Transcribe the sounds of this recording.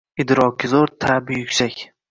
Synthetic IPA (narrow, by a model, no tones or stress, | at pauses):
ɪd̪ɾɒkʲɪzoɾt̪ʰabɪjʊkʲsakʲ